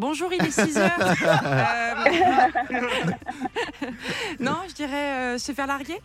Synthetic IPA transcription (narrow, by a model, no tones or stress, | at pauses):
bɔ̃ʒuːʁilisiz | nɔ̃ʒəd̪iʁɛøsəfɛʁlaʁɡʲe